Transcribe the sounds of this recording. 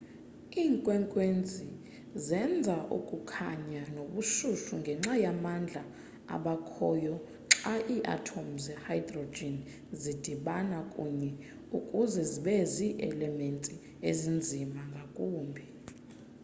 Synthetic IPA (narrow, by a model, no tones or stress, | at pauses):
iːŋkʼwɛŋkʼwend͡zʱi | zɛnd͡zʱaʔṵkʼukʰaɲanoɓuʃuʃuŋɡʱɛŋ͡ǁajamand͡ɮʱa | a̰ɓakʰɔːjɔ | ǁaʔiːʔa̰tʰom̩zɛhajdrod͡ʒɛn | zid̥ʱiɓanakʼuɲɛ | ukʼuzɛziɓɛziʔɛlɛmentʼi | ezind͡zʱimaŋɡʱakʼuːmbʱi